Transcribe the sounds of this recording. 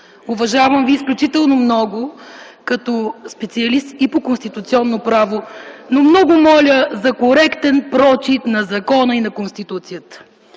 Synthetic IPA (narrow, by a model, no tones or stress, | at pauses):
ʊvɐʒavɐmviːsklʲut͡ʃit̪ɛlˠnomnɔɡʊkɐt̪ɔspɛt̪siɐlist̪ipokonst̪it̪ut̪siɔnːopɾavonomnɔɡʊmɔlʲəzɐkoɾɛkt̪ɛnpɾɔt͡ʃit̪nɐzɐkɔnəinɐkonst̪it̪ut̪sijət̪ə̥